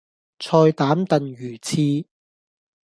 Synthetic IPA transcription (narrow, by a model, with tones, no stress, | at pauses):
t͡sʰɔː˧jt̪aː˨˥mt̪ɐ˨nɥyː˨˩t͡sʰiː˧